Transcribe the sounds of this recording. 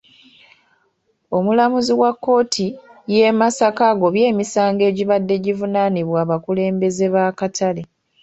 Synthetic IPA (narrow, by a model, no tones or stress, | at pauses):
o̞mulamuziwakːo̞ːtʰije̞masakaɡo̞βje̞ːmisaːŋɡe̞ːɟiβadːe̞ɟivunaniβwaːβakule̞ːmbe̞ze̞βaːkatale